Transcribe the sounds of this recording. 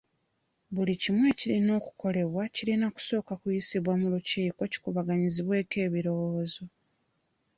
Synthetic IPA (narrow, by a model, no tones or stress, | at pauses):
βulicimwe̞ːcilino̞ːku̥ko̞le̞βwacilinaku̥so̞ːkakujisiβwamuluciːko̞ci̥kuβaɡaɲiziβwe̞ːke̞ːβiɾo̞woːzo̞